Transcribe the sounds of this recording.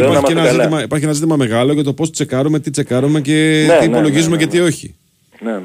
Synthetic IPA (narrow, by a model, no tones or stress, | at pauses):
ipɐɾçienɐzit̪imɐipɐɾçienɐzit̪imɐme̞ɣɐlo̞ʝɐt̪o̞pst̪ot͡se̞kɐɾume̞t̪it͡se̞kɐɾume̞cet̪iːpo̞lo̞ʝizumecet̪io̞çḭ | ne